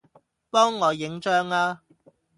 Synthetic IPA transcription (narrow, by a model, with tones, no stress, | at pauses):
pɔː˥ŋːɔː˨˧jɪ˨˧ŋt͡ʃœː˥ŋaː˧